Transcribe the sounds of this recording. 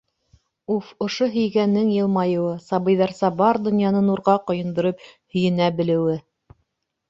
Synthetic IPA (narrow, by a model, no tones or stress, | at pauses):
ufŏʃoɦɵ̆jɡænːɘŋjɤ̆lˠmɑjɤ̆wɤsɑβɤ̆jðɑɾsɑbɑɾd̪ŏnjɑnɤnuɾʁɑqŏjɤ̆nd̪ŏɾɤphɵ̆jɘ̆næbɘ̆lɘ̆wɘ